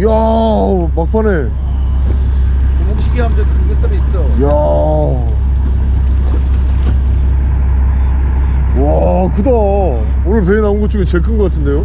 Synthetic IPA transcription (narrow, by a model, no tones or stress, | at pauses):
ja | pak̚pʰane | omokɕʰiɡiɦamd͡ʑʌntɯɡet͈aɾiis͈ʌja | wa | kɯda | onɯɭp̬einaunɡot͡ɕ͈oɡit͡ɕe̞ɭk͈ʰɯnɡʌk͈atʰɯndejo